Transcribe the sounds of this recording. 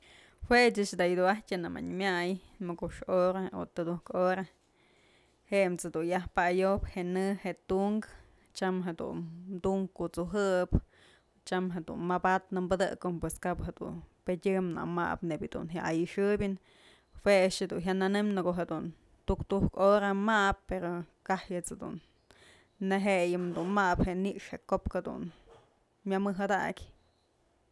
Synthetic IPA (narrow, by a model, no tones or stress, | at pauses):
hwet͡ʃɨt͡ʃd̪aʔjɨd̪uatʲanama̰ɲmjajmɨkuʂoɾao̰t̪ɨd̪uhkoɾa | heʔmt͡sed̪unjahpaajopheʔnɨheʔt̪uŋk | t͡ʃamɦed̪ṵnd̪uŋkkut͡suɦɨp | t͡ʃamɦed̪ṵnmabat̪̚nɨmbɨd̪ɨ̰konpweskaphed̪ṵnpedʲɨmna̰ma̰pnebʲad̪ṵnɦjaʔajɨʂɨbʲɨn | hweʂed̪unɦʲjaʔnanɨmnɨkoɦed̪un | t̪ukt̪uhkoɾamapːeɾokahjɨt͡sed̪ṵn | neɦeʔjɨmd̪unmaʔpheʔniʔʂheʔkopked̪ṵn | mʲamɨɦɨd̪aʔkʲ